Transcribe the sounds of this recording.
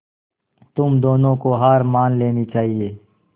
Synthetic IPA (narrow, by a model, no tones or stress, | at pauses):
t̪ʊmd̪oːnõːkoɦaːɾmaːnleːnit͡ʃaːɦieː